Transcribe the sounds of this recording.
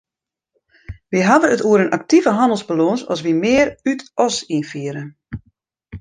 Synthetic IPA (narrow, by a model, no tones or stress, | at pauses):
ʋiɦaʋərətuəɾənʔak̚tivəɦandəl̩ˠsbalonsɔ̰sʋimɪːərytʔɔsinfiəɾə